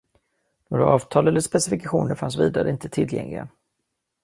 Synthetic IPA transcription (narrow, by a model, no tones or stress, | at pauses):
noːɾaʔɑːvt̪ʰɑːlɛlːəʂpɛsɪfɪkaɧuːnəɾfansviːd̪aɾəɪnt̪ət̪ʰɪljɛ̰ŋlɪɡa̰